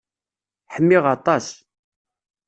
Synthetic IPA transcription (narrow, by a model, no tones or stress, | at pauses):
ħəmːɪʁɑt̪ˤɑs